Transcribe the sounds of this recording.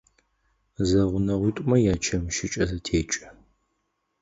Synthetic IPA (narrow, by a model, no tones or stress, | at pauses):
zɐʁʷʊnɐʁʷiːtʷʼʊmɐjaːt͡ʃʰɐmʃɪt͡ʃʼɐzɐtʰeːt͡ʃʼɐ̥